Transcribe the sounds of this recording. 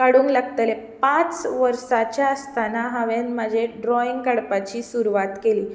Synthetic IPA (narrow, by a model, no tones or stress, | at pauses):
kaɽuːŋklaɡt̪əlepãt͡sʋəɾsat͡ɕjaəst̪anaɦaʋenmad͡ʑʱeɖɾɔiŋɡkaɽpat͡ɕiːsuɾuʋat̪keliː